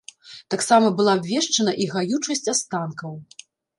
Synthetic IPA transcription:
t̪aksamɐbɨlˠaːbʲvʲɛʂt͡ʂɐnɐʔiɣajut͡ʂɐsʲt͡sʲast̪ankɐw

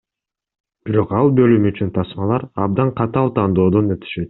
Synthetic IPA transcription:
b̥iɾo̞qɑlˠbø̞lymyt͡ʃynt̪ʰɑsmɑlˠɑɾɑ̰b̚d̪ɑɴqʰɑt̪ɑlˠt̪ʰɑːnd̪o̞ːd̪o̞nøt̪ʰy̥ʃø̞t̪̚

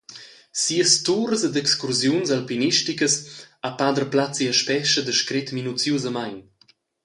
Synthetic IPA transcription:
siəst̪uɾəsed̪ɛkskuɾzjunzalpiniʃtikəsapad̪ərplat͡siəʃpɛʃəd̪əʃkɾet̪minut͡sjuzəmajn

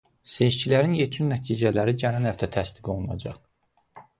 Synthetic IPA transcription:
se̞ʃcilæɾinjet̪ʰynːæt̪ʰiːd͡ʒælæɾid͡ʒænænhæft̪ʰæt̪ʰæsd̪iɡo̞lˠunɑ̰d͡ʒɑ̰χ

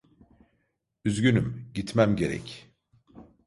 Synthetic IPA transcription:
yzɟynymɟit̪mæmɟe̞ɾɛ̰c

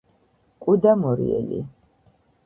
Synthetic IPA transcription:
kʼud̪amɔɾḭɛ̰lḭ

